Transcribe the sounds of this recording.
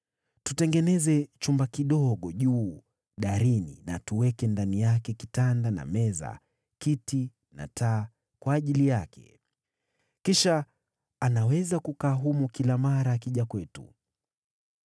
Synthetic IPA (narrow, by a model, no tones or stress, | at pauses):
tutɛŋɡɛnɛzɛt͡ʃumbakiɗɔɠɔʄuː | ɗaɾinḭna̰tuwɛkɛndanijakɛkitandana̰mɛza̰ | kiti | na̰tʰaː | kwaːʄilijakʰɛ̰ | kiʃaː | nawɛzakukaːɦumɔkilamaɾaːkiʄakwɛtṵ